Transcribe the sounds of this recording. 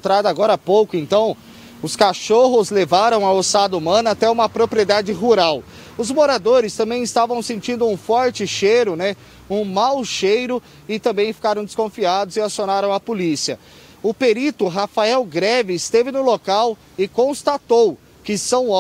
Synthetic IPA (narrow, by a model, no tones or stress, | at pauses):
t̪ɾad̪aɡɔɾɐpowkʊẽnt̪ɐ̃w̃ | ʊskaʃoɦʊzlevaɾɐ̃w̃ɐosad̪ɐumɐ̃nɐat̪ɛũmɐpɾopɾied̪ad͡ʒɪɦuɾaw | ʊzmoɾad̪oɾɪst̪ɐ̃mbẽj̃ɪst̪avɐ̃w̃sẽnt͡ʃĩnd̪ʊũfɔɾt͡ʃɪʃejɾʊnɛ | ũmawʃejɾʊ | ɪt̪ɐ̃mbẽj̃fi̥kaɾɐ̃w̃d̪ɪ̥skõfiad̪ʊzɪasionaɾɐ̃w̃ɐpolisiɐ | ʊpeɾit̪ʊɦafaɛwɡɾɛvɪɪst̪evɪnʊlokaw | ɪkõst̪at̪ow | kɪsɐ̃w̃